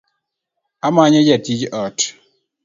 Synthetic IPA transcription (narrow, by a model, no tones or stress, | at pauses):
amaɲed͡ʒɛtid͡ʒɔt